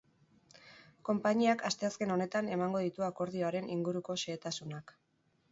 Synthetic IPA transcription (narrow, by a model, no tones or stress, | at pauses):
ko̞mpaɲiakast̪e̞aske̞no̞ne̞t̪ane̞maŋɡo̞ðit̪uako̞ɾð̞io̞aɾe̞niŋɡuɾuko̞ʃe̞ːt̪asunak